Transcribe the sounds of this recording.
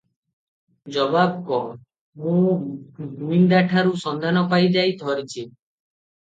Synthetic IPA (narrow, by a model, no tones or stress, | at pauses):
d͡ʒɔbab̚kɔ | mũɡuind̪aʈʰaɾusɔnd̪ʱanɔpajd͡ʒajt̪ʰɔɾit͡ʃʰi